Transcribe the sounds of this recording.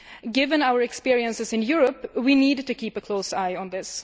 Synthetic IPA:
ɡɪvə̃naʊə˞ɛkspɪɹiə̃nsɨsɨ̃njʊɹəpwiniːdtɨkʰiːpəkʰl̥oʊsaɪə̃nðɪs

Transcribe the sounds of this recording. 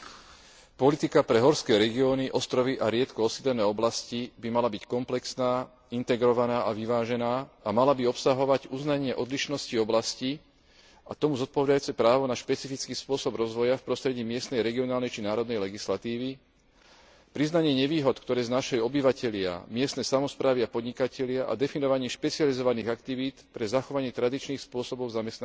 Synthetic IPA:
pɔlit̪ikapɾɛɦɔɾskɛːɾɛɡiɔːniʔɔst̪ɾɔʋiʔaɾɪɛt̪kɔɔsid̪lɛnɛːɔblascibimalabickɔmplɛksnaː | int̪ɛɡɾɔʋanaːʔaʋiʋaːʒɛnaːamalabiɔpsaɦɔʋaɟuznaɲɪɛʔɔd̪liʃnɔsciɔblasci | at̪ɔmuzɔt̪̚pɔʋɛd̪ajuːt͡sɛpɾaːʋɔnaʃpɛt͡sifit͡skiːspʊɔsɔbɾɔzʋɔjafpɾɔst̪ɾɛɟiːmɪɛst̪nɛjɾɛɡiɔnaːlnɛjt͡ʃinaːɾɔd̪nɛjlɛɡislat̪iːʋi | pɾiznaɲɪɛɲɛʋiːɦɔt̪kt̪ɔɾɛːznaʃɛjɔbiʋacɛʎɪa̰mɪɛst̪nɛːsamɔspɾaːʋiapɔd̪ɲikacɛʎɪaʔa̰d̪ɛfinɔʋaɲɪɛʃpɛt͡sializɔʋaniːɣakt̪iʋiːt̪pɾɛzaxɔʋaɲɪɛt̪ɾad̪it͡ʃniːxspʊɔsɔbɔʊzamɛst̪na

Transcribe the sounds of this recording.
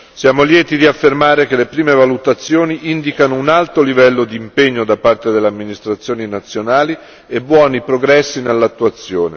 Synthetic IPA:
sjaːmoljɛːt̪id̪iafːermaːɾekelepɾiːmevalut̪at̪sːjoːniʔind̪ikanounalt̪olivɛlːod̪iːmpeɲːod̪apːart̪ed̪elːeamːinist̪ɾat̪sːjoːninat̪sːjonaːli | ebːwɔːnipɾoɡɾɛsːinelːat̪ːuat̪sːjoːnḛ

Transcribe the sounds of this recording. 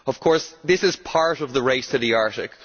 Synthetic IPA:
ʌv̥kʰɔɹsðɪsɨz̥pʰaɹɾəvðəɹeɪstʰɨɾiaɹɾɪk

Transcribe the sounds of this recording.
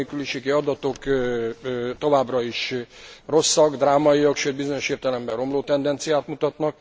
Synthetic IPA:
ekyliʃeːɡiɒd̪ɒt̪o̞k | t̪o̞vaːbrɒiʃro̞sːɒɡd̪raːmɒijɒkʃøːd̪bizo̞ɲo̞ʃeːrt̪ɛlɛmbɛro̞mloːt̪ɛnd̪ɛnt̪sijaːt̪mut̪ɒt̪nɒk̚

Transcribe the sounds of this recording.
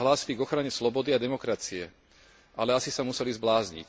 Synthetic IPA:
ɦlaːsiliɡɔxɾaɲɛslɔbɔd̪iad̪ɛmɔkɾat͡siɛ | ʔalɛasisamusɛlizblaːzɲḭc

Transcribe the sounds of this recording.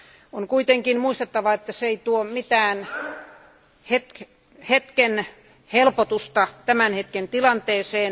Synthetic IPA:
oŋkuit̪eŋkinmuist̪et̪ːɑʋɑet̪ːæseit̪uomit̪æːn | het̪k | het̪ken | helpot̪ust̪ɑt̪æmænhet̪kent̪ilɑnt̪eːseːn

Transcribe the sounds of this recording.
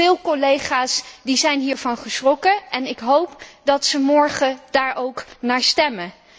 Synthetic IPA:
ɪːlˠkɔlejχaːsdizɛjnɦiːɹvɑnχəsrɔkəʔɛnɪkɦowpdɑtsəmɔɹχədaːɹʔowknaːɹstɛmə

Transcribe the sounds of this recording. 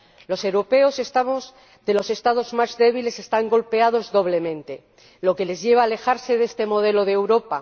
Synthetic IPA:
lo̞se̞wɾope̞o̞sest̪amo | d̪e̞lo̞se̞st̪að̞o̞zmazðe̞β̞ile̞se̞st̪aŋɡo̞lpe̞að̞o̞zðo̞β̞le̞mẽ̞nt̪e̞ | lo̞ke̞le̞zʝe̞β̞aːle̞xaɾse̞ðe̞st̪e̞mo̞ð̞e̞lo̞ðewɾo̞pa

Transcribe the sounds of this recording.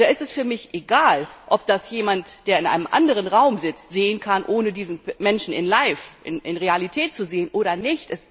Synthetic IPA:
aːʔɪstɛsfyːɐmɪçʔeɡaːlʔɔp̚d̥asjeːmantd̥eːɐɪnʔa̰ɪnəmʔa̰ndəʁ̞ənʁaʊmzɪt͡stz̥eːənkʰanʔoːnədiːzn̩mɛnʃn̩ɪ̰nlaɪfʔɪ̰nɪnʁealitʰɛːt̚t͡suzeːənʔoːɾɐnɪçtɛs

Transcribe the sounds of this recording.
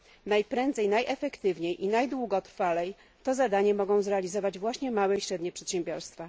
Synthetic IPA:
najpɾɛnd̪zɛjnajʔɛfɛkt̪ɘvɲejʔinajd̪wuɡɔt̪ɾfalɛj | t̪ɔzad̪aɲɛmɔɡɔ̃w̃zɾɛalʲizɔvad͡ʑvwaɕɲɛmawɛiɕɾɛd̪ɲɛpʂɛt̪ɕɛmbʲjɔɾst̪fa

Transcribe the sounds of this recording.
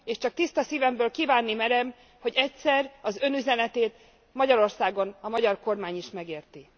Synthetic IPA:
eːʃt͡ʃɒk̚t̪ist̪ɒsiːvɛmbøːlkiːvaːnːimɛɾɛm | ho̞ɟɛcsɛrɒzø̞nyzɛnɛt̪eːt̪ | mɒɟɒɾo̞rsaːɡo̞nɒmɒɟɒrko̞rmaːɲiʃmɛɡeːrt̪i

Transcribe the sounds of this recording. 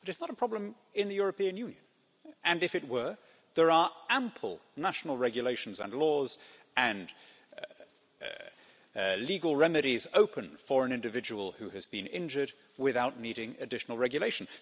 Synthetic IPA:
b̥ʌɾɨtsnəɾəpʰɹ̥ɑblə̃m | ɪ̃nðɨjʊɹəpĩɨ̃njʉ̃njɨ̃n | ɨ̃nɨfɨt̚wə˞ | ðə˞ə˞æ̃mpʰl̩ˠnæʃn̩l̩ˠɹɛɡjɨleɪʃn̩zə̰̃nlɔz | ɨ̃n | liɡl̩ˠɹɛmɨɾizoʊpʰɨ̃nfə˞ɨ̃nɪ̃ndɨvɪd͡ʒəwəl̩ˠhʉɨzbɨ̃nɪ̰̃nd͡ʒə˞d̚ | wɪθaʊtⁿniɾɪ̃ŋɨ̰dɪʃn̩l̩ˠɹɛɡjɨleɪʃn̩

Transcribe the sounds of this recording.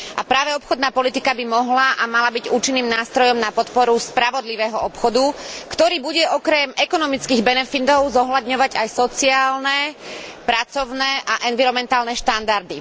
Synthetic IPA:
ʔa̰pɾaːʋɛɔpxɔd̪naːpɔlit̪ikabimɔɦlaʔamalabiɟuːt͡ʃinːiːmnaːst̪ɾɔjɔmnapɔt̪pɔɾuspɾaʋɔd̪liʋɛːɦɔɔpxɔd̪ukt̪ɔɾiːbuɟɛʔɔkɾɛmɛkɔnɔmit͡skiːɣbɛnɛfit̪ɔʊzɔɦlad̪ɲɔʋaɟajsɔt͡siaːlnɛpɾat͡sɔʊnɛʔaʔɛnʋiɾɔmɛnt̪aːlnɛʃt̪and̪aɾd̪i

